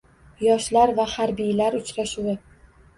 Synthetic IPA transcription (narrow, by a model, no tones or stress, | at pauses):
jɒʃlaɾvahaɾbijlaɾʊt͡ʃɾaʃuwɪ